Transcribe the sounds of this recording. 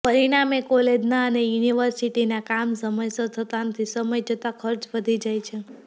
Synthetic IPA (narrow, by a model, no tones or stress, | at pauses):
pəɾiɽ̃amekoled͡ʒnaənejuniʋəɾsiʈinakamsəməjsət̪ʰət̪anət̪ʰisəməjd͡ʒʱət̪akʰəɾt͡ʃʋəd̪ʱid͡ʒajt͡ʃʰe